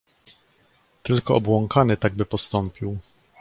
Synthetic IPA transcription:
t̪ɘlkɔʔɔbwɔŋkanɘt̪aɡ̚bɘpɔst̪ɔmpʲiw

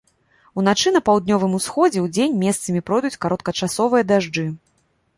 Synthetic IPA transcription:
un̪at͡ʂɨnɐpawd̪nʲɔvɨmusxɔd͡zʲɛwd͡zʲenʲmʲɛst̪sɐmʲipɾɔjd̪ut͡sʲkaɾɔt̪̚kɐt͡ʂasɔvɨjɐd̪aʐd͡ʐɨ

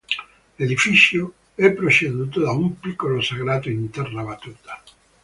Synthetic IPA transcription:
led̪ifit͡ʃjo | ɛpːɾot͡ʃed̪uːt̪od̪aumpikːolosaɡɾaːt̪oint̪ɛrnabat̪uːt̪ḁ

